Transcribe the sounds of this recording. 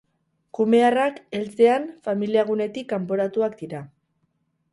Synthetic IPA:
kume̞arake̞lt͡se̞anfamiliaɣ̞une̞t̪ikːampo̞ɾat̪uak̚d̪iɾa

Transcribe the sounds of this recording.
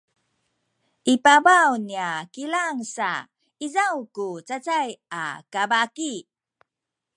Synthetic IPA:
ʔipabawniakilaŋsa̰ | izawkut͡sat͡saja̰kabaki

